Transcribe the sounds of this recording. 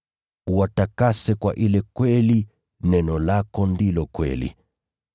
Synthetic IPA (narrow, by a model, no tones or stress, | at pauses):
uwatakasɛkwa̰ʔilɛkwɛli | nɛnɔlakɔndilɔkwɛ̰lḭ